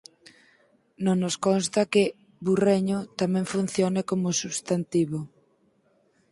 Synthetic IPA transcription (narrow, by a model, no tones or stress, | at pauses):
nõnoskonst̪ɐkɪ | bureɲʊt̪amɛ̃ŋfun̟θjonɪkomʊsuβst̪ant̪iβo